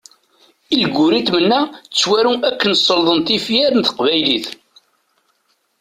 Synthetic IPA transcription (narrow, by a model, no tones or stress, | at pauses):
ilɡʊɾit̪mənːæt͡sːwæɾuækːənsˤːəlðˤənt̪ifjæɾənt̪ə̥qvæjliθ